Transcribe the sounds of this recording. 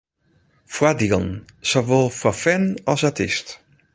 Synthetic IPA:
fwadilˠn | sovolˠfɔfɛnɔsatɪst

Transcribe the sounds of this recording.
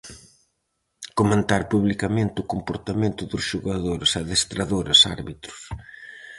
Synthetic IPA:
komẽnt̪aɾpuβlikamẽnt̪ɪʊkompoɾt̪amẽnt̪ʊðʊsʃoɣaðoɾɪsaðest̪ɾaðoɾɐsa̰ɾβit̪ɾʊ̥s

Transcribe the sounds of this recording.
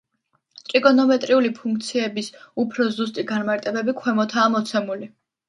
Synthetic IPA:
t̪ʼɾikʼɔnɔmɛt̪ʼɾiulipʰuŋk̚ʰt̪sʰiɛbisupʰɾɔzus̬t̪ʼiɡanmaɾt̪ʼɛbɛbikʰwɛmɔt̪ʰaːmɔt̪sʰɛmuli

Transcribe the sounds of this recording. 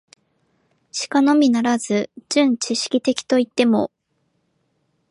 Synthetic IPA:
ɕi̥kano̞mʲinaɾazɨd͡ʑɨ̃ɲ̟t͡ɕiɕi̥kʲit̪e̞kʲi̥t̪o̞it̪ːe̞mo̞̰

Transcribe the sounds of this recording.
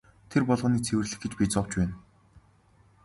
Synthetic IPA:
t̪ʰerpɔɮʁə̆niːt͡sʰewɘ̆rɮɘ̆xɡet͡ɕpʲiːt͡sɔw̥t͡ɕpæːn

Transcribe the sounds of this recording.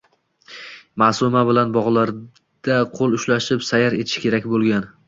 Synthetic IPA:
masʊmabɪlanbɒʁlˠaɾ | d̪̥aqʰolˠʊʃlaʃɪpsajaɾet̪ʰɪ̥ʃkʲʰe̞ɾakʲbolˠɡʲan

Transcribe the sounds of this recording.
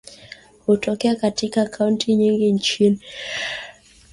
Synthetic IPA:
hutɔkɛakatikaːkʰauntʰiɲiŋɡin̩t͡ʃini

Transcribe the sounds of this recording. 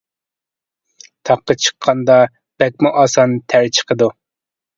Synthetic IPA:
t̪ʰɑqːət͡ʃʰə̥qʰːɑnd̪ɑ | b̥ɛk̚ʲmʊʔɑsɑnt̪ʰæɾt͡ʃʰə̥qʰəd̪u

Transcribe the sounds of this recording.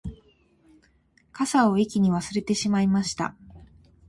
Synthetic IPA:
kasao̞ikʲiɲ̟iβasɨɾe̞t̪e̞ɕimaimaɕi̥t̪a̰

